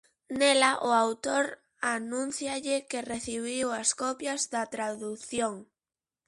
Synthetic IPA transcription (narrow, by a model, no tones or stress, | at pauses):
nelaʔʊawt̪oɾ | anũn̟θjaʎɪkɪreθiβiwɐskɔpjɐzðɐt̪ɾaðuθjoŋ